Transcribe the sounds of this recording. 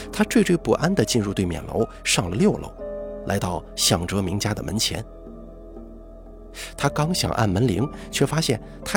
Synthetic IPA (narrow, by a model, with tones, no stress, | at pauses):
t̪ʰa˥t͡swe˥˧ʈ͡ʂwe˥˧ɪpu˨˩ʔa˥nd̪ə˨t͡ɕi˥˧nɻu˥˧t̪we˥˩ɪmjɛ̰˨˩nlo̰˧˥ʊ | ʂɑ˥˩ŋlə˩ljo˥˧ʊlo̰˥˩ʊla̰˧˥ɪt̪ɑ˥˩ʊɕjɑ˨˩ŋʈ͡ʂɤ˧˥mi˧˥ŋt͡ɕja˥d̪ə˨mʔə̰˧˥nt͡ɕʰjɛ̰˧˥n | t̪ʰa˥kɑ˥ŋɕjɑ̰˨˩ŋʔa̰˥˩nmə˧˥nli˧˥ŋt͡ɕʰɥɛ˥˩fa˥ɕjɛ˥˩n | t̪ʰa˥